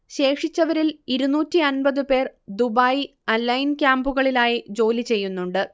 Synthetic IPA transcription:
ɕe̞ːkʂit͡ɕːɐʋɐɾiliɾunuːtːiɐnbɐðɨpe̞ːrd̪ubaːji | ɐnːɐjnkʲjaːmbuɣɐɭilaːjid͡ʑo̞ːlit͡ɕe̞jːunːuɳɖɨ

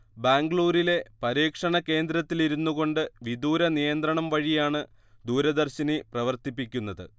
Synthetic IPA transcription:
baːŋɡɭuːɾile̞pɐɾiːkʂɐɳɐke̞ːnd̪ɾɐt̪ːiliɾunːuɣo̞ɳɖɨʋid̪uːɾɐnijɐnd̪ɾɐɳɐmʋɐɻijaːɳɨ | d̪uːɾɐd̪ɐrɕiniprɐʋɐrt̪ipːikʲːunːɐðɨ̰

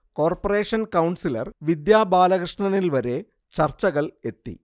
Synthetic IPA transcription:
ko̞ːrpɐre̞ːʂɐnkɐwnsilɐ̰rʋid̪jaːbaːlɐɣrɨʂɳɐnilʋɐɾe̞ | t͡ɕɐrt͡ɕɐɣɐɭe̞t̪ːḭ

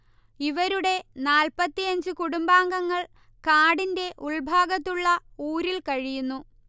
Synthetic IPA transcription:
iʋɐɾuɽe̞naːlpɐt̪ːijɐɲd͡ʑɨkuɽumbaːŋɡɐŋːɐɭ | kaːɽinde̞ʔuɭbʱaːɡɐt̪ːuɭːɐuːɾilkɐɻijunːu

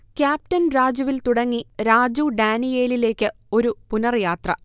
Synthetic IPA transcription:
kʲjaːp̚ʈɐnɾaːd͡ʑɐʋilt̪uɽɐŋːiɾaːd͡ʑuːɖaːnije̞ːlile̞ːkʲːɨ | o̞ɾupunɐrjaːt̪rɐ

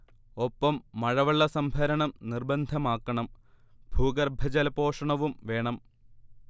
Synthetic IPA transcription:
o̞pːɐmːɐɻɐʋɐɭːɐsɐmbʱɐɾɐɳɐmnirbɐnd̪ʱɐmaːkːɐɳɐm | b̥ʱuːɡɐrbʱɐd͡ʑɐlɐpo̞ːʂɐɳɐʋumʋe̞ːɳɐm

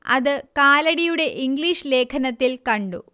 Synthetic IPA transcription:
ɐ̰ðɨkaːlɐɽijuɽe̞ʔiŋɡliːʂle̞ːkʰɐnɐt̪ːilkɐɳɖṵ

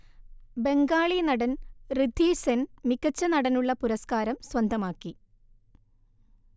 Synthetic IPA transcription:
be̞ŋɡaːɭinɐɽɐnrɨd̪ʱːiːsenmikːɐt͡ɕːɐnɐɽɐnuɭːɐpuɾɐskaːɾɐmswɐnd̪ʱɐmaːkːi

